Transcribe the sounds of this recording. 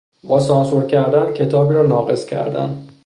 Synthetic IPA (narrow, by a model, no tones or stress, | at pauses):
bɒːsɒːnsuɾcʰæɾd̪æncʰe̞t̪ʰɒːbiːɾɒːnɒːɣe̞scʲʰæ̰ɾd̪æ̰n